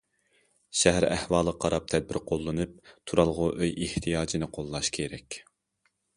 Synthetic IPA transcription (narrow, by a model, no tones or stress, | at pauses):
ʃɛɦæɾæ̰hwɑːlˠqʰɑɾɑp̚t̪ʰɛd̪̚bɪɾqʰolˠːɨnɨp̚t̪ʰuɾɑlˠʁʊʔøjeht̪ʰijɑːd͡ʒinɨqʰolˠːɑʃkʲʰeɾɛkʲ